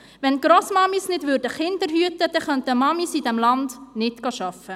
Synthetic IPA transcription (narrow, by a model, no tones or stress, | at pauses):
ʋɛnɡ̥ɾosmɑmisnɪdʋʏɾdəχɪndəɾɦyətəd̥ɛχœntəmɑmisidɛmlɑndnɪtɡ̥ɑʃɑfə